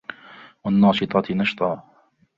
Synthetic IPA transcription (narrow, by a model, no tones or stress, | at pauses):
wanːɑːʃɪt̪ˤɑnɑʃt̪ˤɑː